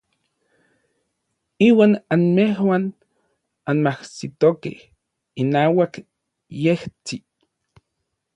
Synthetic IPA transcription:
iːwaːnanmeɦwan | anmahsit̪okḛh | inaːwak | jeht͡si

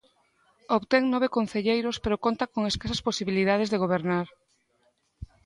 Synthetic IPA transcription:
oβt̪eŋnɔβ̞ekonθeʎejɾospeɾokont̪akoŋeskasɐsposiβiliðað̞ezðeɣ̞oβ̞eɾnaɾ

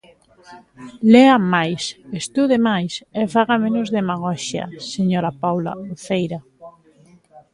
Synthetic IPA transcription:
leamajsest̪uðemajsefaɣamenʊzðemaɣ̞ɔʃja̰seɲoɾapawla̰uθejɾa

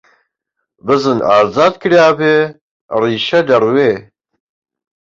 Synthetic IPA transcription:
bəzɨnaːzaːd̪̚kʰɾjaːbe | riːʃɐd̪ɐɾweː

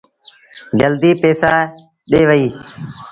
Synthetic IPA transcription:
d͡ʒəld̪iːpeːsaː | ɗeːʋəiː

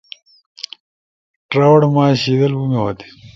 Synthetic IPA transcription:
ʈɾawɐɽmaːɕiːd̪ɐlbumewɐt̪i̥

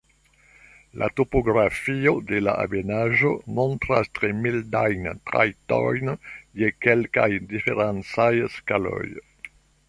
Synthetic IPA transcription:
lʔa̰t̪opoɡɾafiod̪elaa̰benaʒomɔnt̪ɾast̪ɾemild̪ajnt̪ɾa̰jt̪ɔ̰jnjekɛlkajd̪ifeɾansajskalœ̰j

